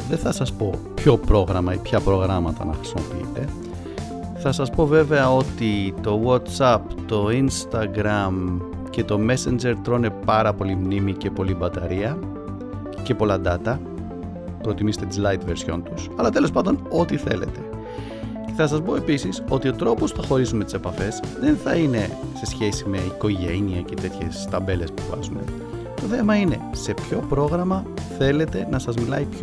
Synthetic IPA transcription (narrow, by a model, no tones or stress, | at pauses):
ðe̞θɐsɐspo̞pço̞pɾo̞ɣɾɐmɐipçɐpɾo̞ɣɾɐmɐt̪ɐ̰nɐ̰xɾi̥simo̞piḭt̪e̞ | θɐsɐspo̞ve̞ve̞ɐo̞t̪it̪o̞wot̪sɐpt̪o̞inst̪ɐɡɾɐm | ce̞t̪o̞me̞send͡ʒe̞ɾt̪ɾo̞ne̞pɐɾɐpo̞limnimice̞po̞libɐt̪ɐɾiɐ | ce̞po̞lɐd̪ɐt̪ɐ | pɾo̞t̪imiset̪et̪izlɐjt̪ve̞ɾsço̞̰nt̪usɐlɐt̪e̞lo̞spɐnd̪o̞no̞t̪iθe̞̰le̞̰t̪e̞̥ | ceθɐsɐzpo̞e̞pisiso̞t̪io̞t̪ɾo̞po̞sθɐxo̞ɾisumet̪i̥se̞pɐfe̞zðe̞nθɐine̞se̞sçe̞sime̞iko̞ʝe̞niɐcet̪e̞t̪çe̞̰st̪ɐbe̞le̞spuvɐ̰zume̞̰ | t̪o̞θe̞mɐine̞se̞pço̞pɾo̞ɣɾɐmɐθe̞le̞t̪e̞nɐsɐzmilɐipço